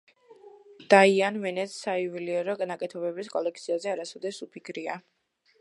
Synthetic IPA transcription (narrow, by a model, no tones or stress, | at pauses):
d̪̥aianvɛnɛt̪saiviliɛɾɔɡanakʼɛt̪ʰɔbɛbiskʼɔlɛk̚ʰt̪sʰiazɛaɾasɔd̪ɛsupʰikʰɾia